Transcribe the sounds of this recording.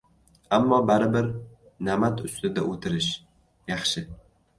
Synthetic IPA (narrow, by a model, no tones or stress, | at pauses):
amːɒbaɾɪbɪɾ | namat̪ʰʊst̪ɪd̪aʔot̪ʰɪɾɪʃ | jɑχʃɪ